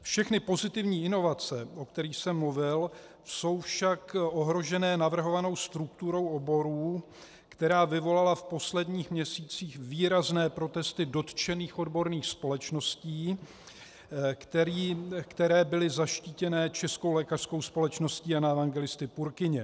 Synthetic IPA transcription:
fʃɛxnɪpo̞zɪt̪ɪvɲiːɪno̞vat͡sɛʔo̞kt̪ɛɾiːxsɛmːuvɪl | so̞wfʃakʔo̞ɦɾo̞ʒɛnɛːnavr̩ɦo̞vano̞wst̪ɾuk̚t̪uɾo̞wo̞bo̞ɾuː | kt̪ɛɾaːvɪvo̞lalafpo̞slɛdɲiːxmɲɛsiːt͡siːxviːɾaznɛːpɾo̞t̪ɛst̪ɪdo̞t̪t͡ʃɛniːxo̞dbo̞ɾniːxspo̞lɛt͡ʃno̞sciː | kt̪ɛɾiːkt̪ɛɾɛːbɪlɪzaʃciːcɛnɛːt͡ʃɛskowlɛːkar̥sko̞wspo̞lɛt͡ʃno̞sciːanaɛvaŋɡɛlɪst̪ɪpuɾkɪɲɛ

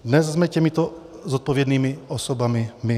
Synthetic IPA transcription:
d̪nɛzzmɛcɛmit̪o | zɔt̪̚povjɛd̪niːmiosobamɪmɪ

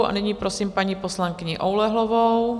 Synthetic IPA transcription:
ʔa̰nɪɲiːpɾosiːmpaɲiːposlaŋkɪɲɪʔowlɛɦlovow

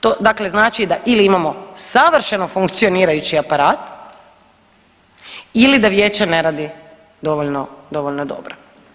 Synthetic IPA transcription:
t̪od̪akle̞znaːt͡ʃid̪aʔiliimamo̞saʋr̩ʃenofuŋkt̪sio̞niːɾajut͡ɕiapaɾaːt̪ | ilid̪aʋje̞ːt͡ɕene̞ɾaːd̪i | d̪o̞ʋoʎnod̪o̞ʋoʎnod̪o̞̰bɾo̥

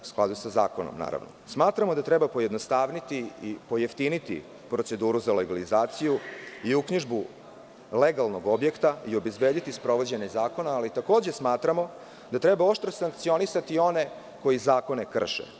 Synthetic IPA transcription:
u̥sklˠa̰d̪usaza̰ːkono̰mna̰ːɾa̰vno̰smaːt̪ɾamod̪at̪ɾebapo̞jed̪nost̪aːʋnit̪iipo̞jeft̪init̪ḭ | pɾo̞t̪se̞d̪uːɾuzaleɡalizaːt̪sijuiukɲiʒbu | leɡalˠno̞ɡo̞bje̞kt̪aio̞bezbeːd̪it̪ispɾo̞ʋo̞d͡ʑeɲazaːko̞naːlit̪ako̞ːd͡ʑe̞smaːt̪ɾamo̞ | d̪at̪ɾebao̞ʃt̪ɾosaŋkt̪sio̞nisat̪io̞ne̞ | ko̞jizaːko̞ne̞kr̩ʃḛ

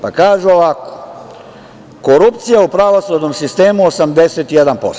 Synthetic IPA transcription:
pakaːʒuoʋako̥ | koɾupt̪sijaupɾaʋosud̪nomsist̪e̞ːmuosamd̪eset̪ijed̪anpo̞̰st̪

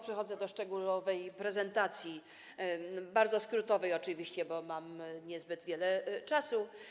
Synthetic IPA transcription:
pʂɛxɔd̪zɛd̪ɔʂt͡ʂɛɡulɔvɛjpɾɛzɛnt̪at̪sʲji | baɾd̪zɔskɾut̪ɔvɛjɔt͡ʂɘvʲiɕt͡ɕɛbɔmamɲɛzbɘd̪vʲjɛlɛt͡ʂasu

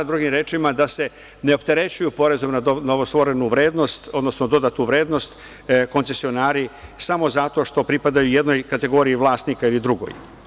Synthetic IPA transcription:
d̪ɾuɡimɾe̞ːt͡ʃimad̪ase̞ | neo̞pt̪e̞ɾe̞t͡ɕujupo̞ɾezo̞mnaonoʋost̪ʋo̞ɾe̞nuʋɾe̞ːd̪no̞st̪od̪no̞snod̪o̞d̪at̪nuʋɾe̞ːd̪no̞st̪ | ko̞nse̞sio̞naːɾisamo̞zat̪o̞ʃt̪o̞pɾipad̪ajuje̞d̪no̞jkat̪e̞ɡo̞ːɾiiʋlˠaːst̪nikailid̪ɾuɡo̞̰j

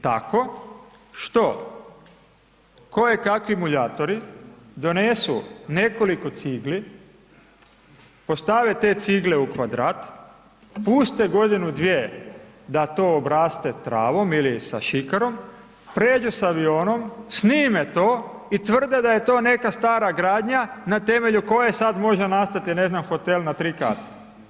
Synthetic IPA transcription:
t̪ako̞ | ʃt̪o̞ | ko̞jekakʋimuʎaːt̪o̞ɾid̪o̞nesṵne̞ko̞liko̞t̪siɡli | po̞st̪aʋet̪e̞t̪siɡleukʋad̪ɾaːt̪ | puːst̪eɡo̞d̪inud̪ʋje | d̪at̪o̞obɾaːst̪et̪ɾa̰ːʋo̞milisa̰ʃikaɾo̞m | pɾeːd͡ʒusaʋio̞ːno̞msniːmet̪o̞ː | it̪ʋr̩d̪ed̪aje̞t̪o̞ːne̞kast̪aːɾaɡɾaːd̪ɲanat̪e̞me̞ʎuko̞jesad̪mo̞ʒenast̪at̪ine̞znamxo̞t̪elnat̪ɾika̰ːt̪ḁ

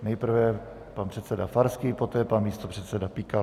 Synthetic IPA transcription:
nɛjpr̩vɛ | panpr̥ɛt̪sɛdafaɾskiːpot̪ɛːpanmiːst̪o̞pr̝̥ɛt̪sɛdapika

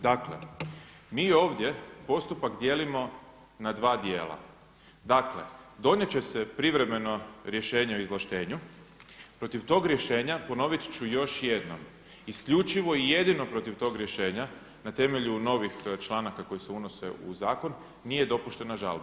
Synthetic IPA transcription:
d̪akle | miːo̞ːʋd̪ʲje̞po̞st̪upakd̪je̞ːlimo̞ | nad̪ʋaːd̪je̞̰ːlˠa̰ | d̪akle̞̰d̪o̞ɲet͡ɕe̞se̞pɾiʋɾe̞me̞no̞ɾje̞ʃe̞ːɲeoizlˠaʃt̪e̞ːɲu | pɾo̞t̪iʋt̪o̞ːɡɾje̞ʃe̞ːɲapo̞no̞ʋit̪t͡ɕujo̞ʃje̞d̪no̞̰m | iskʎʲut͡ʃiʋo̞ije̞d̪ino̞pɾo̞t̪iʋt̪o̞ːɡɾje̞ʃe̞ːɲa | nat̪e̞me̞ʎuno̞ʋixt͡ʃlˠaːnakako̞jise̞uno̞se̞̰uzaːko̞nː | ije̞d̪o̞puʃt̪e̞naʒa̰lba

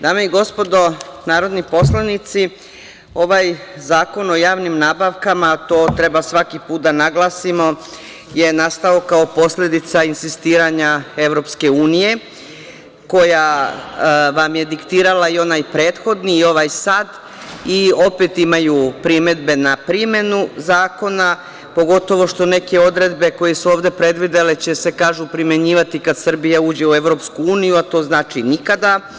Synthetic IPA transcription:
d̪aːme̞iɡo̞spo̞d̪o̞naːɾo̞d̪nipo̞slˠanit̪si | o̞ʋajzaːko̞no̞jaːʋnimnaːbaʋkamat̪oːt̪ɾe̞basʋakipuːt̪̚d̪anaɡlˠaːsimo̞ | je̞nast̪aokaopo̞sʎe̞d̪it̪sainsist̪iːɾaɲae̞ʋɾo̞pske̞uːnije̞ | ko̞ja | ʋamje̞d̪ikt̪iːɾalaio̞naːjpɾe̞ːt̪xo̞d̪niːo̞ʋajsaːd̪ | io̞pe̞t̪imajupɾime̞d̪be̞napɾime̞nuzaːko̞na | po̞ɡo̞t̪o̞ʋo̞ʃt̪o̞ne̞ke̞o̞d̪ɾe̞d̪be̞ko̞jesuo̞ːʋd̪e̞pɾe̞d̪ʋid̪elet͡ɕe̞se̞kaːʒupɾime̞ɲiːʋat̪ikad̪sr̩bijauːd͡ʑe̞ue̞ʋɾo̞pskuuːnijuat̪o̞ːznaːt͡ʃinikad̪a

